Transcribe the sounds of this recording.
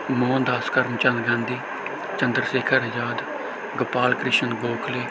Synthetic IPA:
moːnd̪aːskəɾəmt͡ʃə̃nd̪ɡãːnd̪iː | t͡ʃə̃nd̪əɾseːkʰəɾjaːd̪ | ɡəpaːlkɾɪʃənɡoːkʰleː

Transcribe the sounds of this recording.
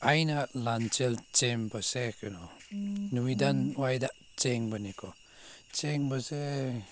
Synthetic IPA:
ajnaʔlant͡ʃɛlt͡ʃembəsekənonuwidanwajdaʔ | t͡ʃeŋbənikʰo | t͡ʃeŋbəse

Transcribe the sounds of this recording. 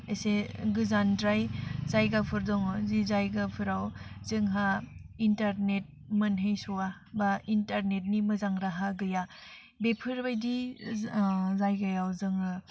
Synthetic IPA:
eseɡɯzandɾajzajɡapʰɯɾdɔŋɔzizajɡapʰɯɾawzɯŋɦaintaɾnet̚ | mɐnɦɯjsuwa | baintaɾnet̚nimɐzaŋɾaɦaɡɯja | bepʰɯɾbajdi | zajɡajawzɯŋha

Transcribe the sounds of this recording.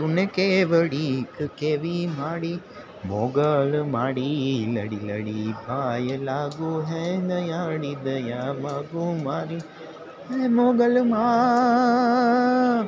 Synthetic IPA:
tunːekeʋɐɽikɯkeːʋimaːɽi | moɡɐlmaːɽilɐɽilɐɽibʱaːjɐlaːɡuɦed̪ɐjaːɽid̪ɐjamaːɡumaːɾi | emoːɡɐlmaː

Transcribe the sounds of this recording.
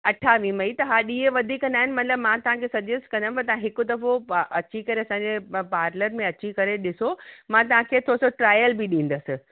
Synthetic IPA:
ɐʈʰaːʋimɐit̪ɐɦaːɗiːeʋɐd̪ʱikɐ̃nd̪aːɦɪ̃nɪ̆mɐ̃t̪ɪləbmãt̪ɐʋ̤ãkʰeːsɐd͡ʑesʈkɐ̃nd̪ə̃pɐɾt̪ɐʋãɦɪkʊd̪ɐɾfoʔɐt͡ɕikɐɾeɐsãːɲd͡ʑepaːɾnəɾmẽɐt͡ɕikɐɾeɗɪsomãt̪̬ɐʋ̤ãkʰeːt̪ʰosoʈɾaːjəlbɪɗĩːnd̪əsɪ̆

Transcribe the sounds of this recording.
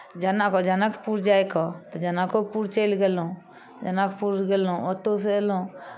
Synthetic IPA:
d͡ʒanãkɔd͡ʒanakpuːɾd͡ʒaːekɔt̪od͡ʒənãkopuːɾt͡ʃelɡelõː | d͡ʒənakpuːɾɡelõot̪os̬elõː

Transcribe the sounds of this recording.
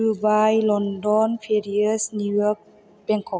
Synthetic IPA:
ubaːjlɔndɔnfeɾiəsnujok̚ | b̥ɛŋkʰɔ

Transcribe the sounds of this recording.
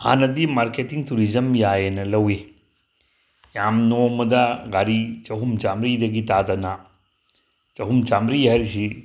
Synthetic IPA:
ha̰nɐdimaɾketiŋtuɾizɐmjajenɐlɐwe | jamnomɐdɐɡaɾit͡ʃɐɦumt͡ʃamɾidɐɡitatɐna | t͡ʃɐɦumt͡ʃamɾiɦɐɾisi

